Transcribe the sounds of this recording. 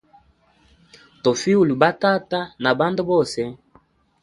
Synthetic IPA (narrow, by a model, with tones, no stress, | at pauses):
to˨fi˦u˦˨lu˨ba˦ta˦ta˦na˨ba˦ndo˦bo˦sɛ˦